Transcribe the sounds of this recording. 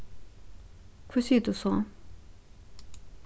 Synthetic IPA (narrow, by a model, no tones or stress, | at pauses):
kʰøsʰiːʔt̪usʰɔŋ